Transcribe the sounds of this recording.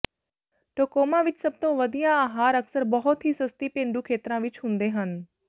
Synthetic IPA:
ʈoːkoːmãʋɪt͡ʃsɐb̚t̪õʋəd̪ijãaːɦaːɾəksəɾbɐɦʊt̪ɦiːsɐst̪ipẽːɳɖuːkʰeːt̪ɾãʋɪt͡ʃɦʊ̃ːnd̪eɦən

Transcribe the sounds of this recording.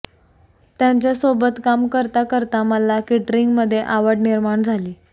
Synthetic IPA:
t̪jaɲt͡ɕjasobət̪kamkəɾt̪akəɾt̪aməlakiʈɾiŋɡməd̪ʱːjeʔaʋəɽniɾmaɳd͡zʱaliː

